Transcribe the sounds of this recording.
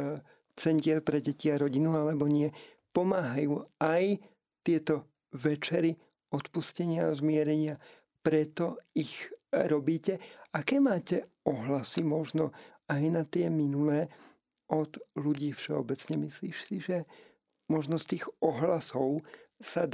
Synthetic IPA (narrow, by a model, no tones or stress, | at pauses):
t͡sɛncɪɛɾpɾɛɟɛciaɾɔɟinualɛbɔɲɪɛ | pɔmaːɦajuːaj | t̪ɪɛt̪ɔ | ʋɛt͡ʃɛɾi | ɔt̪puscɛɲɪazmɪɛɾɛɲɪa | pɾɛt̪ɔixɾɔbiːcɛakɛːmaːcɛ | ɔɦlasimɔʒnɔajnat̪ɪɛminulɛː | ʔɔd̪luɟiːfʃɛɔbɛt͡sɲɛmisliːʃsiʒɛ | mɔʒnɔst̪iːɣɔɦlasɔʊsa